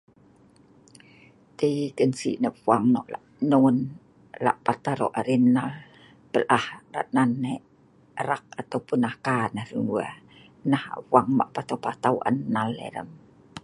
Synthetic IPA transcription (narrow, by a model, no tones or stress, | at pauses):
t̪əjkənsḭʔnəp̚waŋnɔʔla̰ʔnoŋn | la̰ʔpat̪aɾo̰ʔaɾinːal | pəlʔahra̰ʔnanːe | əɾak̚at̪awpunahkanəhrəŋua̰ | naha̰ʔwaŋma̰ʔpat̪awpat̪awʔa̰nnːalːḛɾə̰m